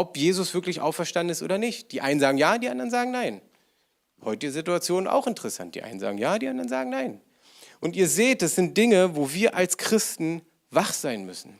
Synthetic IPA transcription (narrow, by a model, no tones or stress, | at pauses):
ʔɔpjeːzʊsv̥ɪɐklɪçʔa̰ʊfɛɐʃtandn̩ɪstʔo̰ːdɐnɪçt̚d̥iːʔaɪnənzaːɡŋ̩jaːdiːʔa̰ndʁɐnzaːɡŋ̩naɪn | hɔʏtizɪtuat͡sjoːna̰ʊxɪntə̥ʁɛsa̰nt̚d̥iːʔa̰ɪnənza̰ːɡŋ̩jaːdiːʔandɐʁənzaːɡŋ̩naɪn | ʔʊntiːɐzeːt̚d̥asz̥ɪnt̚d̥ɪŋəvoːviːɐʔalskʁ̥ɪstn̩ | vaχz̥aɪnmʏsn̩